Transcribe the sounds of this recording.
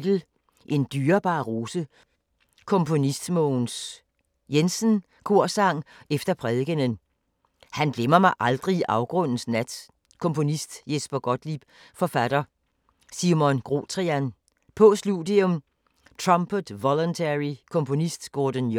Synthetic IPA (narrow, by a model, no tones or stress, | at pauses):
d̥l̩ | ʔe̝nd̥yːɐb̥ɑ̈ːʁo̝ːsə | kʰɔ̽mpʰo̝nisd̥mɔːns | jensn | kʰo̝ɐ̰sɑ̈ŋ̰efd̥ɐpʰʁɛðˠɡ̥ənən | hænɡ̥lemɐmɑ̈ɪʔɑ̈ld̥ʁiʔɑ̈ʊɡ̥ʁɔ̽n̰n̩snæd̥ | kʰɔ̽mpʰo̝nisd̥jesb̥ɐɡ̥ɒd̥lib̥ | fɒ̽fæd̥ɐ | simɔnɡ̥ʁo̝̰t͡sʰʁiæn | pʰɔ̽sludˠiɔm | t͡sʰʁɑmpʰəd̥ʋɒlɔnt͡sʰeʁikʰɔ̽mpʰo̝nisd̥ɡ̥ɔːd̥ən